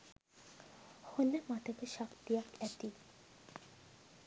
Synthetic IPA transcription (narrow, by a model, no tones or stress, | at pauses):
honeɾmat̪ʰekeʃakt̪ijakɛt̪i